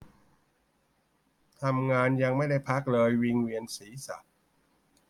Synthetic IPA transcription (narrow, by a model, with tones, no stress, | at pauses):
t̪ʰa˧mŋaː˧nja˧ŋma˥˩jda˥˩jpʰa˦˥k̚lɤː˧jwi˧ŋwi˧ənsiː˩˦sa̰˨˩t̪̚